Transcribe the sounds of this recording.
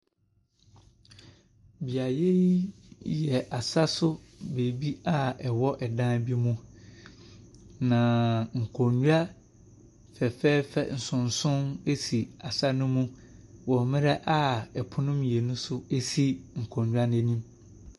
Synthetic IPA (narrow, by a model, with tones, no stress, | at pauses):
bi˨a˨je˦ | jɛ˨ʔa˨sa˦sʊ˦be˨bi˦a˦ɛ˨wɔ˦ʔɛ˨dã˦bi˦mũ˦ | nã˨ŋ̩˨kʰɔ˨ɲu˦a˦ | fɛ˨fɛː˦fɛ̰˨n̩˨sʊ̃˨n˨sʊ̃˦ne˦si˨a˨sa˦nʊ̃˦mũ˦wɔ̃˨mɪ̃˦ɾɛ˦ʔa˦˨ɛ˨pʰʊ˦nʊ̃˦mjɛ˨nũ˦sʊ˦e˦si˦ŋ̩˨kʰɔ̃˨ɲᶣ˨u˦a˦n˦ɛ˦nĩ˦m